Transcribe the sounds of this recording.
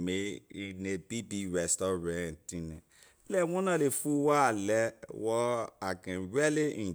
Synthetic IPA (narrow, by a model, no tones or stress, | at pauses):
meinebibiɾɛstɔɾãntĩnẽ | lɛwɔ̃nãlefuwaalɛwɔaɡɛ̃ɾɛleĩ